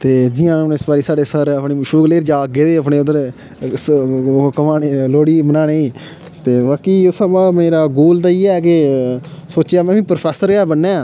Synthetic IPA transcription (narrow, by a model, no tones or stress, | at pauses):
t̪eːd͡ʒɪjãːnɪsbaːɾiːsaːɖeːsəɾəpɳiːʃuːkleːɾd͡ʒaːɡeːd̪eːəpɳeːʊd̪əɾ | kəmaːneːloːɽiːbənaːneːiː | t̪eːʋaːkiːʊsəbaːmeːɾaːɡoːlt̪̬aːiːɛːk̬e | soːt͡ʃjaːmɛ̃ːʋĩːpɾpʰɛːsəɾɛːbənːeːaː